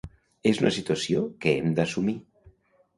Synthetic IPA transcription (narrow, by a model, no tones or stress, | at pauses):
ezunɐsit̪uɐsiokəemd̪əsumi